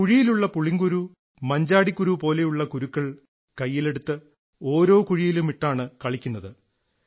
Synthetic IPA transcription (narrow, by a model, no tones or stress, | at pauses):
kuɻijiluɭːɐpuɭiŋɡuɾu | mɐɲd͡ʑaːɽikːuɾupo̞ːle̞juɭːɐkuɾukːɐɭ | kɐjːile̞ɽut̪ːɨ | o̞ːɾo̞ːkuɻijilumiʈːaːɳɨkɐɭikʲːunːɐðɨ